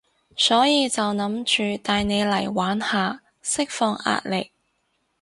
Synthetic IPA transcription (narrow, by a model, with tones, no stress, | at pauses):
sɔː˨˥jiː˧t͡sɐ˨wnɐ˨˥mt͡ʃyː˨t̪aː˧jne˨˧jlɐ˨˩jwaː˨˥nhaː˨˧ | sɪ˥k̚fɔː˧ŋʔa̰ː˨t̚lɪ˨k̚